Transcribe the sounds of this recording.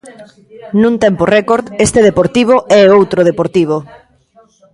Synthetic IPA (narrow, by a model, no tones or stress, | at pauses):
nũnt̪ɛmporɛkoɾðest̪eðepoɾt̪iβ̞oʔɛowt̪ɾoð̞epoɾt̪iβ̞o